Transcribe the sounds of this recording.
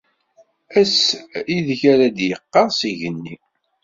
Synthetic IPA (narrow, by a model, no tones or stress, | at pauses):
æsiðçæɾæd̪jəqːɑʁsiʝənːi